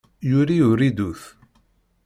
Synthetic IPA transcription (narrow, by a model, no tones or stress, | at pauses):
jʊɾiʊɾid̪uθ